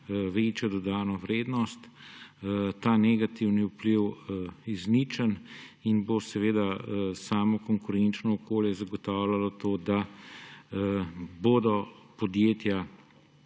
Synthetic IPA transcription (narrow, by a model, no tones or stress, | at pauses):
ʋeːt͡ʃjɔd̪ɔd̪aːnɔʋɾeːd̪nɔst̪ | t̪aːnɛɡat̪iwniupliwizniːt͡ʃəninbosɛʋeːd̪asaːmɔkɔŋkʊɾent͡ʃnɔːkoːljɛzaɡɔt̪aːwlalɔt̪oːd̪a | bod̪ɔpɔd̪jeːt̪ja